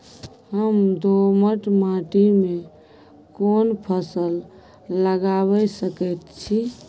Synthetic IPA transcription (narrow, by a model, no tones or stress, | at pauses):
həmd̪ʱoməʈmãʈime | konpʰəsəlː | əɡaβəsəkəjt̪t͡ʃʰi